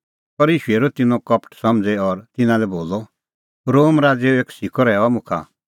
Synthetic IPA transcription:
pɔɾiːʃueɾot̪ɪnɔ̃kɔpʰʈsɔmd͡zɛɔɾt̪ɪnãlɛboːlɔ | ɾoːmɾaːd͡zeeːksikʰɔɾɛːamʊ̃kʰa̰

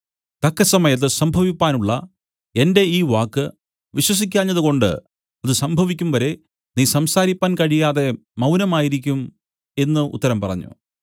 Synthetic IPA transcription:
t̪ɐkːɐsɐmɐjɐt̪̬ːɨsɐmbʱɐʋipːaːnuɭːɐ | e̞nde̞iːʋaːkːɨ | ʋiɕwɐs̬ikʲːaːɲːɐðuko̞ɳɖɨ̰ | ɐðɨsɐmbʱɐʋikʲːumʋɐɾe̞ | niːsɐmsaːɾipːaːnkɐɻijaːðe̞ | mɐwnɐmaːjiɾikʲːum | e̞nːɨṵt̪ːɐɾɐmpɐrɐ̰ɲːṵ

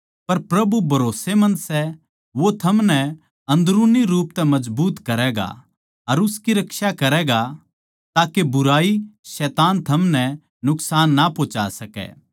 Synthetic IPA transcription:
pɐɾpɾɐbubʱɐɾoːsemɐ̃nd̪sɛ | ʋot̪ʰɐmnɛ | ɐ̃nd̪ɾuːniɾuːp̚t̪ɛmɐd͡ʒbuːt̪kɐɾɛɡa̰ | ɐɾʊskiɾɐkʃakɐɾɛːɡa | t̪aːkebʊɾaːisɛːt̪aːnt̪ʰɐmnɛ | nʊksaːnːapoːt͡ʃa̰sɐkɛ̰ː

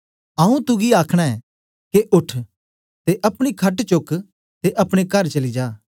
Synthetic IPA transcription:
ɐũt̪ʊɡiaːkʰɽ̃aɛː | keʔʊʈʰ | t̪eʔɐpɽ̃ikʰɐʈt͡ʃʊk | t̪eʔɐpɽ̃ekɐɾt͡ʃɐlid͡ʒaː

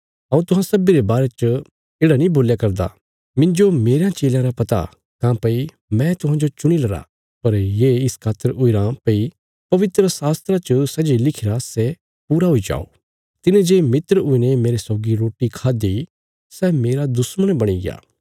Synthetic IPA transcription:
ɐũt̪ʊɦãsɐbiɾebaːɾet͡ʃə | eːɽanĩboːljakɐɾd̪a̰ | mɪ̃ɲd͡ʒomeːɾejãt͡ʃeːljãɾapɐt̪a̰ | kãːpɐi | mɛ̃t̪ʊɦãd͡ʒot͡ʃʊɽ̃ilɐɾa̰ | pɐɾjeːɪskʰaːt̪ːəɾʊiɾãpɐi | pɐʋɪt̪ɾəsaːst̪ɾat͡ʃəsɛd͡ʒilɪkʰɪɾasɛ | puːɾaɦoid͡ʒa̰ːo̰ | t̪ɪnẽd͡ʒeːmɪt̪ɾəʊinemeːɾesɔːɡiɾoːʈikʰaːd̪i | sɛːmeːɾad̪ʊsməɽ̃bɐɽ̃iɡɪ̰a̰ː

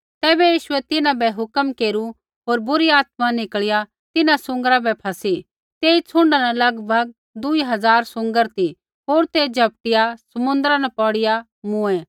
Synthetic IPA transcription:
t̪ɛːbɛjiːʃʊɛt̪ɪnãbɛɦʊkəmkeːɾu | ɦoːɾbʊɾiaːt̪mãnɪkɭɪja | t̪ɪnãsʊ̃ŋɡəɾabɛpʰɐsi | t̪eːit͡sʰʊ̃ɳɖanɛlɐɡbʱɐɡ̚ | d̪ʊiɦɐd͡zaːɾsʊ̃ŋɡəɾt̪i | ɦoːɾt̪ed͡ʒʱɐp̚ʈɪjasɐmʊ̃nd̪əɾãnɛpɔːɽɪja | mʊ̃ɛ̃

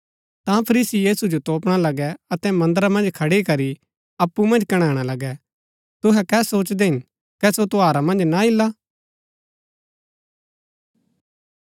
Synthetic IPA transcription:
t̪ãpʰɐɾiːsijiːsud͡ʒot̪oːpɽ̃alɐɡɛɐt̪ɛmɐ̃nd̪ɾamɐ̃nd͡ʒkʰɐɽekɐɾi | ɐpːumɐ̃nd͡ʒkɐɽ̃aːɽ̃alɐɡɛ | t̪ʊɦɛkɛːsoːt͡ʃd̪ɛɦɪ̃n | kɛsot̪oaːɾamɐ̃nd͡ʒnaɪlːa

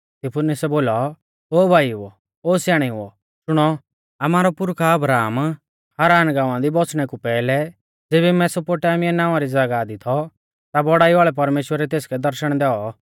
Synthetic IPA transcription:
t̪ɪpʰʊnɪsɛboːlɔ | oːbʱaːiɦʊɔ̰ | oːsjaːɽ̃iɦʊ̰ɔ̰ | ʃʊɽ̃ɔ | ɐmaːɾɔpʊɾkʰaɐbɾaːm | haːɾaːnɡãːʊ̃ãd̪ibɔt͡sʰɽ̃ɛkupɛːlɛ | d͡zeːbɛmɛ̃sɔpoːʈaːmijɛnaːʋãɾid͡zaɡaːd̪it̪ʰɔ | t̪abɔɽaːiʋaːɭɛp̬ɐɾmeːʃwəɾɛt̪eːskɛd̪ɐɾʃəɽ̃d̪ɛːɔ

